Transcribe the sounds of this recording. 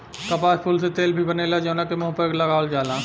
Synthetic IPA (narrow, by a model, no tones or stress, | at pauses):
kɐpaːspʰulset̪eːlbʱibɐneːlad͡ʒoːnakemʊɦpəklɐɡaːld͡ʒaːlãː